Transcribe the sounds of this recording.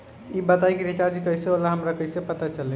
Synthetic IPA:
ibət̪ajkeɾit͡ʃaɾd͡ʒikəiseolaɦəmɾakəsepət̪at͡ʃəlɛ

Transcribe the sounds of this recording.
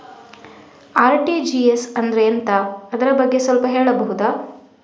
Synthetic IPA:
aːɾʈid͡ʒiesɐnd̪ɐɾeɐnt̪ɐːd̪ɐɾɐbɐɡːesʋɐlpɐɦeːɭɐbɐɦud̪aː

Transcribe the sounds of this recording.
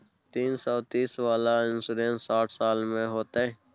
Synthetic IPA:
t̪iːnsɔːt̪iːsʋaːlaɪnsʊɾẽːnsaːʈʰsaːlmẽɦoːt̪aɦɛ̃ː

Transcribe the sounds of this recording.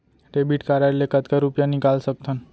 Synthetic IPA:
ɾebiʈkaɾaɾlekət̪kaɾupjanikalsək̚t̪ʰən

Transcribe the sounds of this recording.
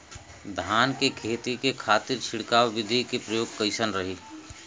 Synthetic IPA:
d̪ʱaːnkekʰeːt̪ikekʰaːt̪ɪɾt͡ʃʰɪɽkaːwʋɪd̪ʱikepɾəjoːɡ̚kəɪsənɾɐɦiː

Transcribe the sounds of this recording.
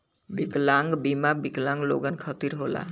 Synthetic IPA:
biklaŋɡbimabiklaŋlo̰ɡankʰɔt̪iɾɦola̰

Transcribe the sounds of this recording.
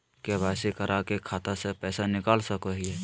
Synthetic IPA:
kebʱaːsikəɾʔakekʰaːt̪asepɛːsanɪkaːlsəkəɦiɦɛ

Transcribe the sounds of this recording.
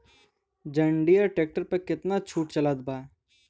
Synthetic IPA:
d͡ʒɐ̃ɳɖijaʈeːk̚ʈəɾpekɪt̪nat͡ʃʰuːʈt͡ʃɐlaːd̪baː

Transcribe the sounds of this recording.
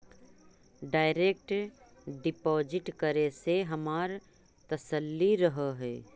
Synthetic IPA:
ɖaːɪɾeːk̚ʈ | ɖɪpɔːd͡ʒɪʈkəɾeseɦɐmaːɾ | t̪ɐsəlːiɾɐɦəɦɛː

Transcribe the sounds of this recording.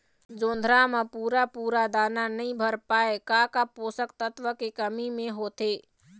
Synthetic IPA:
d͡ʒond̪ʱɾamepuɾapuɾad̪ananəĩbʱəɾpaekakaposəkt̪ət̪ʋəkekəmimeɦot̪e

